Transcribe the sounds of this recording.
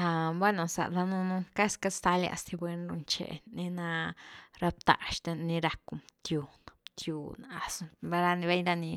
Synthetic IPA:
ha˧bwe˦no˨sa̰˨ɾa˧nu˧nu˧ka˦ska˧st̪a˧lja̰˧˨st̪i˧bwe˧nɾu˧nt͡ʃḛ˧˨ni˧na˧ɾa˧p̚t̪a̰˨ʃt̪e˧ni˧ɾa˧ku˨mt̪ju˧t̪ʰju˨˧na˨˧sba˧ɾa˧ni˧be˦jɾa˦˧ni˧

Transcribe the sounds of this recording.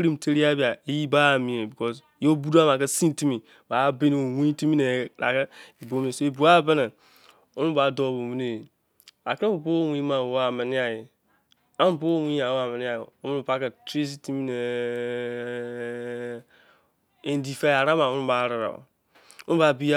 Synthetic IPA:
ɾi˦m˨tʰe˦ɾi˦a˦bi˨a˨i˦ji˦ba˦˨mĩ˨e˨bi˨kɔ˦s | jo˦bu˦da˦m˨a˨kɛ˦sĩ˦ti˦mi˨ | ba˨˦be˦ni˦o˨wĩ˦ti˦mi˦ne˨ɾa̰˨kɛ˦e˨bo˦mi˦e˨so˦e˨bu˨a˦bɛ˦nɛ˨ | o˦nu˦ba˨˦dɔ˦˨bo˨mi˦ne˨ | a˨ku˨bo˦wʷi˦ma˨wo˦a˨mɪ˨ni˦a˨ji˨ | a˦m˨bo˦wʷĩ˦a˨o˦a˨mɛ˨ni˦a˨o˦m˦nu˦˨ba˦ka˨tɾe˦s̬i˦ti˦mi˦ne˨ | ẽ˨n˦di˨fe˦˨a˨ɾa˦ma˨u˦u˦ba˨˦ɾɨ˨ɾa̰˨ | o˦n˦ba˨bi˦a˦

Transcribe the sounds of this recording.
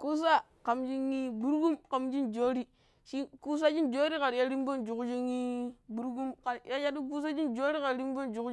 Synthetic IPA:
ku˦s̬a˦ | ka˨md͡ʒi˦ŋːi˦bu˦ɾɡu˦mka˨md͡ʒi˦nd͡ʒo˦ɾi˦ | ʃi˦ku˦s̬a˦d͡ʒi˦nd͡ʒo˦ɾi˦ka˨ɾja˦ɾi˦m˦bo˦nd͡ʒu˨kd͡ʒi˦ŋːi˦bu˨ɾɡu˦mka˨ɾja˦ja˦du˦k̬u˦s̬a˦d͡ʒi˦nd͡ʒo˦ɾi˦ka˨ɾɾi˦m˦bo˦nd͡ʒu˨k

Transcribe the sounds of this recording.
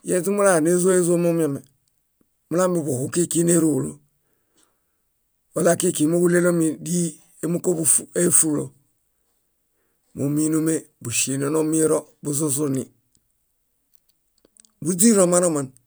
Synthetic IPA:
je˦zi˦mu˦la˦˨ne˦zo˦e˦zo˦mo˦m˦a˨me˨ | mu˦la˦mbi˨bu˨hu˦ki˦ki˦ne˦ɾo˨lo˦ | wo˦la˦ki˦ki˨˦mo˦ɡu˦le˦lo˦mi˨di˦ | e˦mu˦ko˦bu˦fe˦fu˦lo̰˨ | mo˨mi˦no˦me˦bu˨ʃi˨no˨no˦mi˦ɾo˦bu˦zu˦zu˦ni˨ | bu˦d͡ʒi˦ɾo˨ma˦no˦ma˨n

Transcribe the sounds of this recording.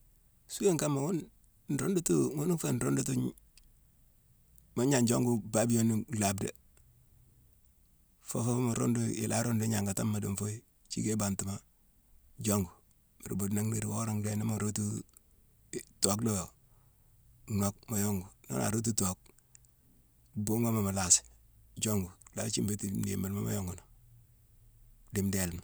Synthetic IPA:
su˦e˦ŋka˦mːa˨wu˦n | n̩˨ɾo˦ndu˦tu˦ŋu˦n˦fe˦nɾo˦ndu˦tu˦ | ma˨˦ɲa˨nd͡ʒo˦ŋɡu˦ba˦bi˦jo˦ni˦la˨bda̰˨ | fo˦fa˦o˦ma˨ɾo̰˦ndu˦ɪ̰˨lʔa˦ɾo˦ndu˦ɲa˨ŋɡa˨ta˦mːa˨dṵ˨ɱfo˦i˦ | t͡ʃḭ˦ke˦ba˨nti˨ma˦ | d͡ʒo˦ŋɡu˨ | mḭ˨ɾ̰bo˨dna˦ŋne˨ɾi˨wo˦ɾa˦ŋle˦na˦ma˨ɾo˦tu˦ | to˨klo˦ | no˦k̚ma˨jo˦ŋɡu˨no̰ː˦na̰˨ɾo˦t̬u˦to˨k̚ | bo˦ŋa˦ma˨ma˨la˨sɪ̥d͡ʒo˦ŋɡu˨la˦t͡ʃi˦mbe˦tinḛ˨ma˨lma˦ma̰jo˦ŋɡu˨no˨ | dɪ˨˦mde˨lma˨

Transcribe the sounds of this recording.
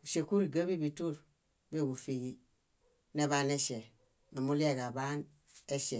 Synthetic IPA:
u˨se˨ku˦ɾi˨ɡa˦bi˦bi˨tu˦ɾ | be˦˨ɡu˨fi˨ɡi˦ | ne˦βaː˦ne˦ʃe˨ | na˨mu˦li˦e˦ɡa˨ba˦n | e˦ʃe˨

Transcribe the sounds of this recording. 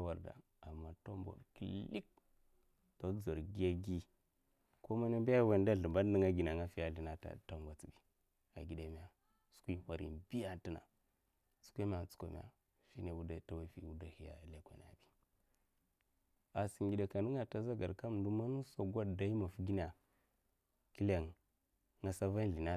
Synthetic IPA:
a˦wa˨ɾda̰˨ | a˨mːa˨to˦mbʷa̰˨ki˨li˦k̚ | to˦d͡za˨ɾɡi˦ja˦ɡi˦ | ko˦ma˦na˦ba˦a˦˨we˨nda˦ɬu˨mba˦di˦ŋa˦ɡi˨n˨a˨ŋa˦fi˦ja˨li˦na˨ta̰˨ta˦mɡʷa˨t͡si˨bi˨ | a̰˨ɡi˨da˨mi˨ja˨ | su̥˦kʷi˦ha˨ɾḭ˨nbi˦ja˦ti˦na̰˨ | su̥˦kʷe˦ma˨t͡su̥˦kʷa̰˨m̰˨˦a̰˨ | ʃi˦ne˨wu˦da˦ta˨wa˦fḭ˨wu˦da˦hi˨a̰˨le˦kʷḛ˨n˨a̰˨bi˦ | a˨si˨ŋɡi˨da˨ka˨nə˦ŋa˨ta˦za˦ɡa˨ka˦m˨du˦ma˦nu˦so˨ɡʷa˦dda˨i˦ma˨fu˦ɡi˦n˦a˨ | ki˦la˨ŋ | ŋa˨sa˦va˦n˨ɮi˨na˦

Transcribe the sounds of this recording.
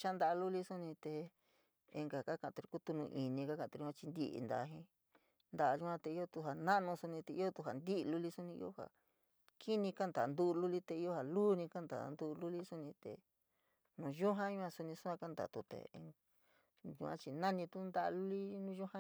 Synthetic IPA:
t͡ʃa˦nd̪a˧lu˦li˦su˦nĩ˧t̪e˧ | e˧ŋɡa˨ka˦kã˧˨˧t̪u˧ɾi˧ku˦t̪u˧nũ˧ʔi˨nĩ˧ka˦kã˧˨t̪u˧ɾã˧t͡ʃi˧nd̪ḭ˧˦ʔḭ˧nd̪a̰˧˨˧ɦĩ˧ | nd̪a˧ʒu˧ã˦t̪e˧i˦jo˦˧t̪u˧ɦa˨nã˦˧nũ˧su˧nĩ˧t̪e˧i˦jo˦t̪u˧ɦa˨nd̪i˦˧lu˧li˦su˦nĩ˧ḭ˦jo˦ha̰˨ | kʰi˦nĩ˧ka˦nd̪a˨˧nd̪u˦˧lu˦li˦t̪e˧i˦jo˦ha˨luː˦nĩ˧ka˦nd̪a̰˨˧nd̪u˧lu˦li˦su˦nĩ˧t̪ḛ˨ | nũ˧ʒu˦ɦã˦ɲũ˧˦ã˧su˧nĩ˧su˦ã˧ka˦nd̪a̰˨t̪u˧t̪ḛ˨˧ŋ | ʒṵ˧ã̰˦˧t͡ʃi˧nã˦nĩ˧t̪u˦nd̪a˦ʔlu˦li˦nũ˦ʒu˦hã˦

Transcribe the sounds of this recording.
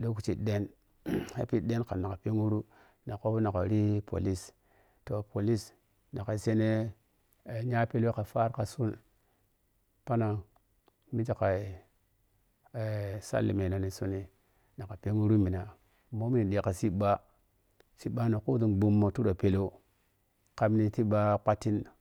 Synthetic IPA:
lo˦ku˨t͡ʃi˨ɗe˦n | ha̰˦pi˦de˦nka˨na˨ka˨pe˦ŋu˦ɾu˦ | na˨ko˦bna˨ka˨˦ɾi˦pʰo̰˨li˦s | to˨pʰo˨li˦s | na˨ka˨se˦ne˦˨ | ɲa˦pe˦lo˦ka˨fa˦ɾka˨su˦n | pa˦na˨ | mi˦d͡ʒa˨ka˨i˨ | e˨sa̰˦lːḭ˨me˨no˨ni˨su˦ni˦ | na˨ka˨pe˦ŋu˦ɾu˦mi˨na˨ | mo˦mi˦n˨ɗe˨ka˨si˦ɓa˦ | si˦ɓa˦na˨ku˦du˨nbu˦mːo˨tu˦ɗo˨pe˨lo˦ | ka˦mni˨ti˦ɓa˦k͡pa˦tːi˦n

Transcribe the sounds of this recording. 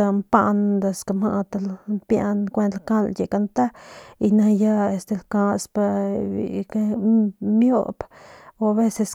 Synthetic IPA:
a˧mpa˦nd̪a˧ska˧ma˧ʔt̪a˧lmpja˦nkʷe˦nt̪lka˦lje˨ka˧nt̪a˦i˧na˧ja˦e˧st̪e˧lka˧spa˧ḭ˨ke˦mjo̰˦bo˧a˧βe˦se˧s

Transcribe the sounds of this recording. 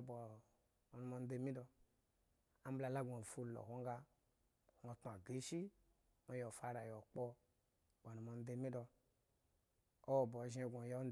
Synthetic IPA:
bɔ˨ | nu˨mo˧n˦de˧˦mi˦dɔ˧ | a˦m̩˦bla˧˨la˦ɡo˨fu˦˨lo̰˨ho˦ŋ˦ɡa˧ | ho˨tu˨a˨ɡe˨˦ʃi˦ | mo˨˦jo˨fa˦ɾa˨jo˨k͡pɔ˦˨ | bo˨nu˨mo˧n˦de˧mi˦dɔ˧ | o˦wɔ˨bo˨ʒi˦e˧˨ɡʷo˨jo˦n˦

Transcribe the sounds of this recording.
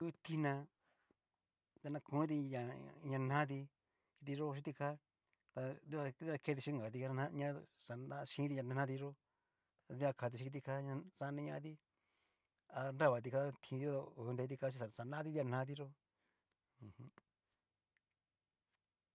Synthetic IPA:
u˦t̪i˧nã˧ | t̪a˧nã˧kũ˨˦t̪̬i˧ɲã˨ɲã˧nã˦t̪̬i˧ | ki˧t̪i˧ʐo˦˧ʃ̬i˧˦t̪i˧ka˦ | t̪a˧d̪i˦˧βa˧˦a˧kʰe˧˦t̪i˧i˧˦ŋɡa˨t̪̬i˧ka˧nã˦˧ɲã˦sa˨nã˧ʃĩ˧˦t̪i˧ɲã˧d̪e˧n˧ã˧t̪i˧ʐo˦ | a˧t̪i˧a˧kʰa˨˧t̪i˧ʃi˧i˧t̪̬i˧ka˦ɲã˧sa˧˦˧nĩ˧ɲã˧t̪̬i˦ | a˧nɾa˦˧βa˨t̪̬i˧ka˦t̪ʰĩ˧t̪i˧˦o˦˧o˧˨˧nɾe˧t̪i˧ka˧˦i˧ssa˨nã˦t̪i˧d̪i˧a˧nã˧˦t̪i˧ʐo˦ | ũ˧hũ˦

